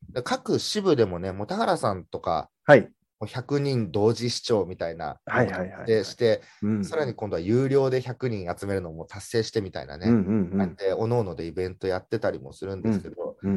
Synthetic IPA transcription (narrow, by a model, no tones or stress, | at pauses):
d̪ekakɯ̟ɕibɯ̟d̪e̞mo̞ne̞mo̞t̪ahaɾasãnt̪o̞ka̰ | hai | moːçakɯ̟ɲ̟ĩnd̪o̞ːʑiɕi̥t͡ɕo̞ːmʲit̪aina̰haiaihae̞ɕi̥t̪e̞ | saɾaɲ̟ikõ̞nd̪o̞ajɯːɾʲo̞ːd̪e̞çakɯ̟ɲ̟ĩɰ̃at͡sɨme̞ɾɯ̟no̞ːmo̞ːt̪asːe̞ːɕi̥t̪e̞mʲit̪a̰ḭna̰neat̪ːe̞o̞no̞ːno̞d̪e̞ibẽ̞nt̪o̞jat̪ːe̞t̪aɾʲimo̞̰sɨɾɯ̟̃nd̪esɨ̥ke̞d̪o̞